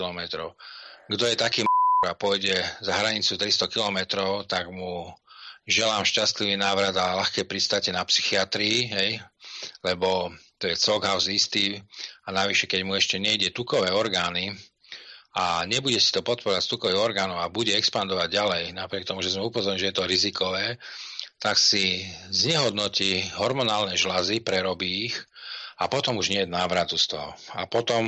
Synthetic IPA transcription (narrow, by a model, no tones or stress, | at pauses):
lɔmɛt̪ɾɔʊɡd̪ɔjɛt̪akiːmɔɾapʊɔjɟɛzaɦɾaɲit͡sut̪ɾist̪ɔkilɔmɛt̪ɾɔʊt̪aɡmu | ʒɛlaːmʃcast̪liʋiːnaːʋɾad̪alaxkɛːpɾist̪acɛnapsi̥xiat̪ɾiːɦɛjlɛbɔt̪ɔjɛt͡sɔɡɦaʊzist̪iːanaʋiʃɛkɛɟmuɛʃcɛɲɛiɟɛt̪ukɔʋɛːɔɾɡaːni | aɲɛbuɟɛsi̥t̪ɔpɔt̪̚pɔɾɔʋacst̪ukɔʋiɣɔɾɡaːnɔʊabuɟɛɛkspand̪ɔʋaɟɟalɛjnapɾɪɛkt̪ɔmuʒɛzmɛupɔzɔɾɲilʒɛjɛt̪ɔɾizikɔʋɛːt̪aksizɲɛɦɔd̪nɔciɦɔɾmɔnaːlnɛʒlazipɾɛɾɔbiːx | apɔt̪ɔmuʒɲɪɛjɛnaːʋɾat̪ust̪ɔɦɔa̰pɔt̪ɔm